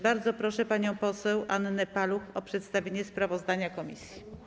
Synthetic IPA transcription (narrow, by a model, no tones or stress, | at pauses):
baɾd̪zɔpɾɔʂɛpaɲɔ̃w̃pɔsɛwʔanːɛpaluxɔpʂɛt̪st̪avʲeɲɛspɾavɔzd̪aɲakɔmʲḭsʲji